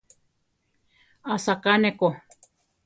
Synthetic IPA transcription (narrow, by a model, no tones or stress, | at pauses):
asakaneko